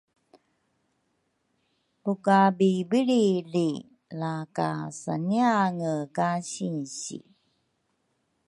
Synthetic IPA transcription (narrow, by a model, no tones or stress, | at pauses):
pukabibiɾili | laka̰sa̰niaŋəkaɕinɕḭ